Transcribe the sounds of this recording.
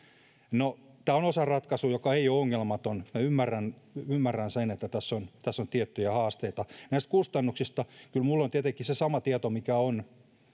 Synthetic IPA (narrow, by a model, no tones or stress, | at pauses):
not̪æːonosɑrɑt̪kɑsujokɑeiooŋːelmɑt̪onmæymːærːænymːærːænsenet̪ːæt̪æsːont̪æsːont̪iet̪ːyjæhɑːst̪eit̪ɑnæist̪̚kust̪ɑnːuksist̪ɑkylmulːont̪iet̪eŋkːisesɑmɑt̪iet̪omikæon